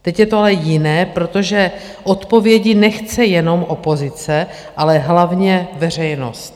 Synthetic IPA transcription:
t̪ɛcjɛt̪oalɛjɪnɛːpɾot̪o̞ʒɛ | ʔo̞t̪po̞vjɛɟɪnɛxt͡sɛjɛno̞mʔo̞po̞zɪt͡sɛ | ʔalɛɦlavɲɛvɛr̝ɛjno̞̰st̪

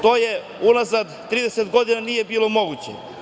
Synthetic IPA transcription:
t̪o̞ːje | unazad̪t̪ɾiːd̪eset̪ɡo̞d̪inanijebiːlo̞moɡut͡ɕḛ

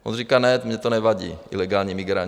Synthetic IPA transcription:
ʔo̰nrikaːnɛt̪mɲɛt̪onɛvaɟḭːʔḭlɛɡaːlɲɛmiɡɾa̰ɲ

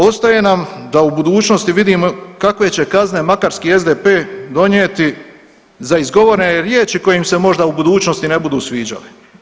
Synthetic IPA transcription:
o̞st̪aje̞namd̪aubud̪uːt͡ʃnost̪iʋid̪iːmokakʋe̞t͡ɕe̞kazne̞makaɾskiːe̞zd̪epe̞ːd̪o̞ɲjeːt̪i | zaizɡo̞ʋoɾeneɾjeːt͡ʃiko̞jimse̞mo̞ʒd̪aubud̪uːt͡ʃnost̪ine̞bud̪uːsʋiːd͡ʑa̰li

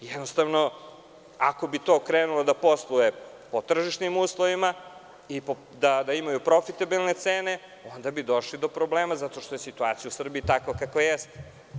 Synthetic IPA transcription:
jɛd̪nost̪avno̞ | ako̞bit̪o̞kɾeːnulod̪aposlˠuje | po̞t̪r̩ʒiʃnimuːslˠoʋima | ipo | d̪ad̪aimajupɾo̞fit̪abilne̞t̪seːne̞ | o̞nd̪abid̪o̞ʃlid̪o̞pɾo̞bleːmazat̪o̞ʃt̪o̞je̞sit̪uat̪sijausr̩biːt̪akʋakakʋajɛst̪e

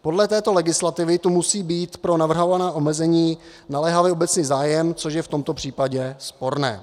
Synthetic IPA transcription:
po̞dlɛt̪ɛːt̪o̞lɛɡɪslat̪ɪvɪt̪umusiːbiːt̪pɾo̞navr̩ɦo̞vanaːʔo̞mɛzɛɲiː | nalɛɦavjɛobɛt͡sniːzaːjɛmt͡so̞ʃjɛft̪o̞mt̪o̞pr̝̥iːpaɟɛspo̞ɾnɛ̰ː

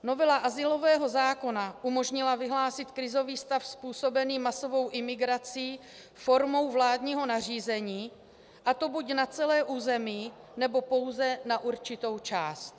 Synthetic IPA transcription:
no̞vɛlaʔazɪlo̞vɛːɦo̞zaːko̞naʔumo̞ʒɲɪlavɪɦlaːsɪt̪kɾɪzo̞viːst̪afspuːso̞bɛniːmaso̞vo̞wʔɪmɪɡɾat͡siː | fo̞ɾmo̞wvlaːdɲiːɦo̞nar̝iːzɛɲiː | ʔat̪o̞bucnat͡sɛlɛːʔuːzɛmiː | nɛbo̞po̞wzɛnaʔuɾt͡ʃɪt̪o̞wt͡ʃaːst̪

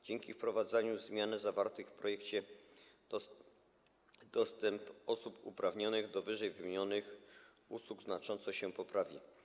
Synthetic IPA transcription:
d͡ʑɛŋkʲifpɾɔvad̪zaɲuzmʲjanɘzavaɾt̪ɘxfpɾɔjɛkt͡ɕɛ | d̪̥ɔst̪ɛmpɔsupṵpɾavɲɔnɘɣd̪ɔvɘʐɛjvɘmʲiɲɔnɘx | uswuɡznat͡ʂɔnt̪sɔɕɛpɔpɾavʲi

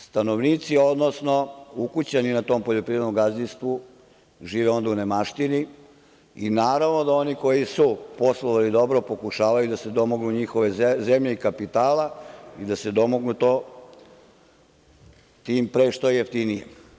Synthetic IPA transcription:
st̪anoʋniːt̪sio̞d̪no̞sno̞ukut͡ɕaninat̪o̞ːmpoʎopɾiʋed̪omɡazist̪ʋu | ʒiːʋɛo̞nd̪aunemaʃt̪ini | inaːɾaʋno̞d̪ao̞niko̞jisupo̞slˠoʋalid̪o̞bɾo̞po̞kuʃaːʋajud̪ased̪o̞moɡnuɲixo̞ʋe̞zemʎe̞ikapit̪aːlaid̪ase̞d̪o̞moɡnut̪o̞ː | t̪iːmpɾeʃt̪ojjeft̪inijḛ

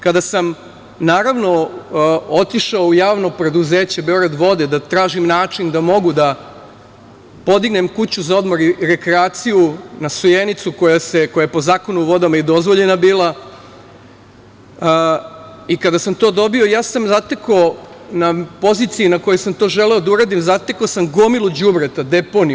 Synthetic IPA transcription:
kad̪asam | naːɾaʋno̞ | o̞t̪iʃaoujaːʋno̞pɾe̞d̪uze̞ːt͡ɕebe̞o̞ɡɾad̪ʋo̞d̪ed̪at̪ɾaːʒimnaːt͡ʂind̪amo̞ɡud̪a | po̞d̪iɡne̞mkut͡ɕuzao̞d̪moɾiɾe̞kɾeaːt̪sijunasujenit̪suko̞jase̞ko̞jajpo̞zaːko̞nuʋo̞d̪amaid̪o̞zʋo̞ʎe̞nabiːlˠa | ikad̪asamt̪o̞ːd̪o̞bio̞jaːsamzat̪ekonapo̞zit̪siinako̞josamt̪oʒe̞leo̞d̪auɾad̪imzat̪ekosamɡo̞milˠud͡ʑubɾet̪ad̪e̞po̞ni

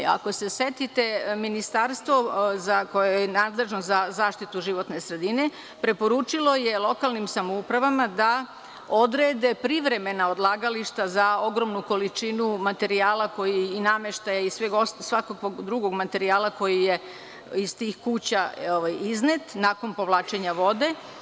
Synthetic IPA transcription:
a̰ko̞se̞set̪it̪e̞minist̪aɾst̪ʋo̞zako̞jejenaːd̪le̞ʒnozazaːʃt̪it̪uʒiʋo̞t̪ne̞sɾe̞d̪ine̞ | pɾe̞po̞ɾut͡ʃilo̞je̞lˠo̞kalˠnimsamoupɾaʋamad̪a | o̞d̪ɾeːd̪e̞pɾiʋɾe̞me̞nao̞d̪lˠaːɡaliʃt̪azao̞ɡɾo̞mnuko̞lit͡ʃinumat̪e̞ɾiaːlako̞jiːnameʃt̪ajaizsʋeɡossʋakokoɡd̪ɾuɡo̞ɡmat̪e̞ɾiaːlako̞jije̞ | izst̪iːxkuːt͡ɕaoʋajiznet̪nako̞npo̞ʋlaːt͡ʃe̞ɲaʋo̞d̪e̞

